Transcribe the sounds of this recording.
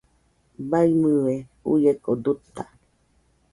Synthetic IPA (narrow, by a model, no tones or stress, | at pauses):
baimɨweṵjekod̪ut̪ːa